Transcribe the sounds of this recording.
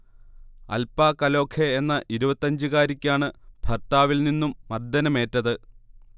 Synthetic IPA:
ɐ̰lpaːkɐlo̞ːkʰeenːɐʔiɾubɐt̪ːɐɲd͡ʑɨɣaːɾikʲːaːɳɨb̥ʱɐrt̪aːʋilninːumːɐrd̪ɐnɐme̞ːtːɐðɨ

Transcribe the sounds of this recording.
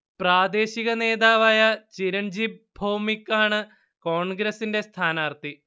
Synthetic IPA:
praːd̪e̞ːɕiɣɐne̞ːd̪aːʋaːjɐt͡ɕiɾɐnd͡ʑib̚bʱoːmikːaːɳɨ | ko̞ːɳɡɾɐsinde̞st̪ʰaːnaːrt̪i

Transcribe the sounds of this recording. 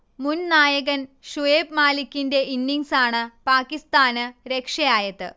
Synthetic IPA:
munnaːjɐɣɐnʂuʋeːbmaːlikʲːinde̞inːiŋsaːɳɨpaːkːist̪aːnɨɾe̞kʂɐjaːjɐt̪ːɨ

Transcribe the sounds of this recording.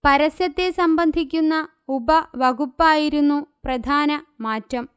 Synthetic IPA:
pɐɾɐsjɐt̪ːesɐmbɐnd̪ʱikʲːunːɐ | ubɐʋɐɡupːaːjiɾunːuprɐd̪ʱaːnɐmaːtːɐm

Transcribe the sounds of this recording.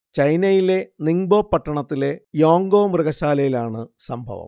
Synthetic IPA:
t͡ɕɐjnɐjile̞niŋboːpːɐʈːɐɳɐt̪ːile̞jo̞ːŋɡoːmrɨɣɐɕaːlɐjilaːɳɨsɐmbʱɐ̰ʋɐ̰m

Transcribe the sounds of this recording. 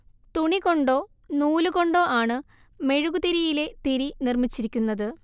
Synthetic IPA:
t̪uɳiko̞ɳɖo̞ː | nuːluɣo̞ɳɖo̞ːʔaːɳɨ | me̞ɻuɣud̪eɾijile̞t̪iɾinirmit͡ɕːiɾikʲːunːɐðɨ

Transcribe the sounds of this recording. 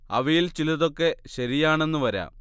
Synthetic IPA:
ɐ̰ʋɐjilt͡ɕilɐðo̞kːe̞ɕɐɾijaːɳe̞nːuʋɐɾa̰ː

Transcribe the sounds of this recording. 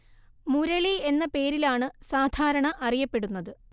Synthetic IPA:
muɾɐɭie̞nːɐpe̞ːɾilaːɳɨsaːd̪ʱaːɾɐɳɐʔɐrijɐpːe̞ɽunːɐðɨ

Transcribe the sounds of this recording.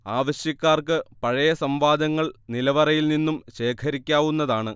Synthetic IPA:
aːʋɐɕjɐkʲːaːrkɨpɐɻɐjɐsɐmʋaːd̪ʱɐŋːɐɭnilɐʋɐrɐjilninːumɕe̞ːkʰɐɾikʲːaːʋunːɐðaːɳɨ

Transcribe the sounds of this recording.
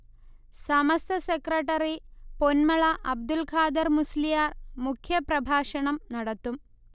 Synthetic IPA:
sɐmɐst̪ɐsekɾɐʈɐɾiponmɐɭɐʔɐb̚d̪ulkʰaːd̪ɐɾmuslijaːrmukʰjɐprɐbʱaːʂɐɳɐmnɐɽɐt̪ːum

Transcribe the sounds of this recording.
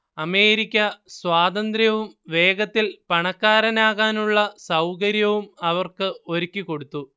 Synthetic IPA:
ɐme̞ːɾikʲːɐswaːd̪ɐnd̪rjɐʋumʋe̞ːɡɐt̪ːilpɐɳɐkːaːɾɐnaːɣaːnuɭːɐsɐwkɐɾjɐʋumɐʋɐrkɨo̞ɾikʲːikːo̞ɽut̪ːu

